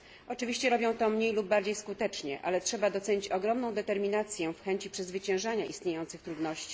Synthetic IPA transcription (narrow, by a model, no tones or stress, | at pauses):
ʔɔt͡ʂɘvʲiɕt͡ɕɛɾɔbʲjɔ̃w̃t̪ɔmɲejlubːaɾd͡ʑejskut̪ɛt͡ʂɲɛ̰ʔa̰lɛtʂɛbad̪ɔt̪sɛɲit͡ɕɔɡɾɔmnɔ̃w̃d̪ɛt̪ɛɾmʲinat̪sʲjɛfxɛɲt͡ɕipʂɛzvɘt͡ɕɛ̃w̃ʐaɲaʔist̪ɲejɔnsɘxt̪ɾud̪nɔɕt͡ɕi̥